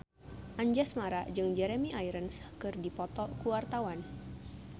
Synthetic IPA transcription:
ʔaɲd͡ʒasmaɾaʔd͡ʒɨŋd͡ʒɛɾemiʔajɾənskɨrdipɔt̪ɔkuwart̪awan

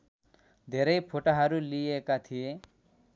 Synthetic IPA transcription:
d̪ʱeɾəjpʰoʈaɦaɾuliekat̪ʰie

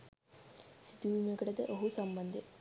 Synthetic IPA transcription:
sit̪uʋimuɡɐɽɐd̪ɐʔoɦusɐmbɐnd̪ʱe

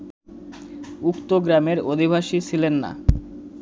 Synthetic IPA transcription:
ukt̪oɡɾameɾod̪ʱibʱaʃisʰilenːa̰

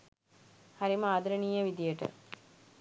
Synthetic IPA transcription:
haɾiməad̪əɾəniːjəʋid̪ijəʈə̰

